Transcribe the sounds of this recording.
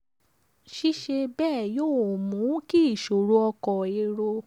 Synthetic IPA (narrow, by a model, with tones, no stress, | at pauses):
ʃi˦ʃe˧bɛː˦˨joː˦˨mũ˨˦ki˦i˦˨ʃo˨ɾo˧ɔ˧kɔ˨e˧ɾo˧